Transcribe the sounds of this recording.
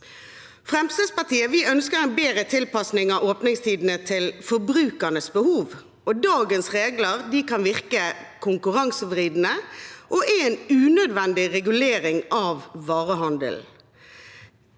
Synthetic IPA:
fʁɛmst̪əspɑt̪iːəʋɪœnskəɾɛnbeːʁət̪ʰɪlpɑsnɪŋɑʔoːpnɪŋst̪ʰiːd̪n̩ət̪ʰɪlfɔbʁʉːkənəsbəhuːʋ | ɔd̪ɑːɡənsʁeːɡləʁd̪ikɑnʋɪʁkəkʰʊŋkʉʁɑŋsəʋʁiːd̪n̩əʔɔʔɛɛnʉːnød̪ʋɛnd̪ɪʁɛɡʉleːɾɪŋɑʋːɑːʁəɦɑnd̪ə̰l

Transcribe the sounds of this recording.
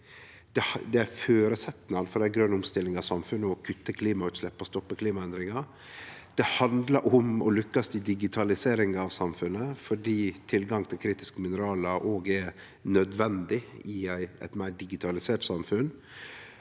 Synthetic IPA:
d̪̥ɛhd̪ɛæføːɾəsɛt̪nɑd̪fɔɾæɪɡɾœnːʊmst̪ɪlːɪŋɑʋsɑmfʉnːəɔkʰʉt̪ːəkʰliːmɑʉːt̪slɛpːɔst̪ɔpːəkʰliːmɑɛnd̪ɾɪŋɑ | d̪̥ɛhɑnd̪lɑɾʔɔmɔlʏkːəsʰɪld̪ɪɡɪt̪ʰɑlɪseːɾɪŋɑʋsɑmfʉnːəfɔɖiːt̪ʰɪlɡɑŋt̪ʰɪlkʰɾiːt̪ɪ̥skəmɪnəɾɑːlɑɾʔoːɡɛɾ | nœd̪ʋɛnd̪ɪɪæɪɛ̰ɪt̪mæɪɖɪɡɪt̪ʰɑlɪseːʈsɑmfʉn

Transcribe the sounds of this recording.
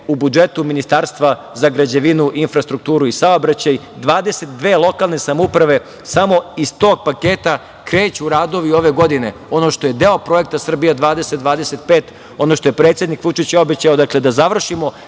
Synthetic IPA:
ubud͡ʒe̞t̪uminist̪aːɾst̪ʋa | zaɡɾad͡ʑeʋinuʔinfɾast̪ɾuk̚t̪uːɾuisaobɾat͡ɕaj | d̪ʋaːd̪e̞set̪̚d̪ʋe̞ːlˠo̞kalˠne̞samoupɾaʋe̞ | samo̞ist̪o̞ːɡ̚pakeːt̪a | kɾeːt͡ɕuɾaːd̪o̞ʋio̞ʋe̞ɡo̞d̪ine̞o̞noʃt̪o̞je̞d̪eopɾo̞jek̚t̪asr̩bijad̪ʋaːd̪eset̪̚d̪ʋaːd̪ese̞t̪̚peːt̪ | o̞no̞ʃt̪o̞je̞pɾet̪sje̞d̪nikʋut͡ʂit͡ɕo̞bet͡ɕaod̪akle̞d̪azaʋr̩ʃimo̞

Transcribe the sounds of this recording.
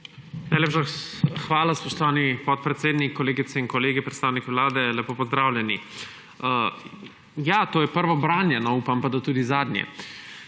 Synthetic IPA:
najleːpʃaxʋaːlaspɔʃt̪ɔʋaːnipɔt̪̚pɾɛt̪seːd̪nikːɔleːɡit̪sɛinkɔleːɡipɾɛt̪st̪aːwnikʋlaːd̪ɛlɛpoːpɔzd̪ɾaːwlʲjɛni | ə | jaːt̪oːjɛpəɾʋɔbɾaːnjɛnɔuːpampad̪at̪uːd̪izaːd̪njɛ̰

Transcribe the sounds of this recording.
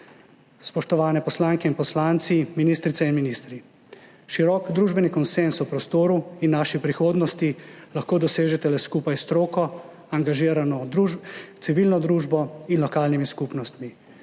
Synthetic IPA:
spɔʃt̪ɔʋaːnɛpɔslaŋkɛinpɔslaːnt̪siminist̪ɾit̪sɛinminist̪ɾi | ʃiɾɔkd̪ɾuːʒbɛnikɔnsensupɾɔst̪oːɾuinːaʃipɾixoːd̪nɔst̪ilaxkoːd̪ɔseːʒɛt̪ɛlɛskuːpajst̪ɾoːkɔ | aŋɡaʒiːɾanɔd̪ɾut̪siʋilnɔd̪ɾuːʒbɔinlɔkaːlnimiskupnɔst̪mi

